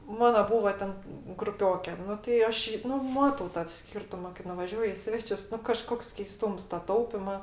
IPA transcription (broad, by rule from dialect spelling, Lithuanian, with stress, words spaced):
ˈmɑːnɐ ˈbuːʋɐ ˈtʲɛn ɡrʊˈpʲoːkʲɛ ˈnʊ tɐɪ ˈɐʃ ˈjiː ˈnʊ ˈmɑːtɐʊ tɐ ˈsʲkʲiːrtʊmɐ kɐɪ nʊʋɐˈʒʲuɔjʊ ɪ ˈsʲʋʲæːt͡ʃʲʊs ˈnʊ kɐˈʃkoːks kʲɛɪˈstuːms tɐ ˈtɐʊpʲɪmɐ